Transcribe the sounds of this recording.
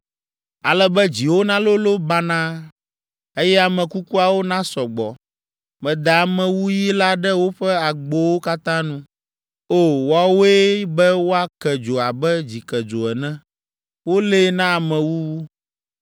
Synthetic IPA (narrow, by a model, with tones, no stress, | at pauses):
a˨lɛ˦bɛ˦d͡ʑi˨wo˦nã˦lo˦lo˦ba˦nã˦ | e˦jɛ˦a˨mɛ̃˨ku˦ku˦a˨wo˦nã˦sɔ˨ɡ͡bɔ˨ | mɛ̃˨d̪a˨a˨mɛ̃˨wu˦ji˦la˦ɖɛ˦wo˦ɸɛ˦a˨ɡ͡bo˦wo˦ka˦t̪ã˦nũ˦ | o˦˨wa˦wo˦e˦bɛ˦wo˦a˦kɛ˨d͡ʒo˨a˨bɛ˦d͡ʑi˨kɛ˨d͡ʒo˨ɛ˨nɛ̃˦ | wo˦le˦nã˦a˨mɛ̃˨wu˦